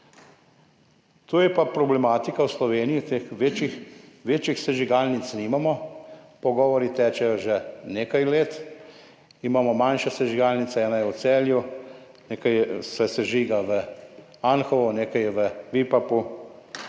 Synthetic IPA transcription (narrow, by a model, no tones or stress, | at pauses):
t̪oːjɛpapɾɔblɛmaːt̪ikawslɔʋeːnijit̪exʋeːt͡ʃixʋeːt͡ʃixsɛʒiɡaːlnit̪sniːmamɔ | pɔɡɔːʋɔɾit̪ɛːt͡ʃɛjɔʒɛneːkajleːt̪ | imamɔmanʃɛsɛʒiɡaːlnit̪sɛɛːnajɛwt̪sɛːlju | neːkajsɛsɛʒiːɡaʋə | anxɔʋɔneːkajɛʋəʋipapu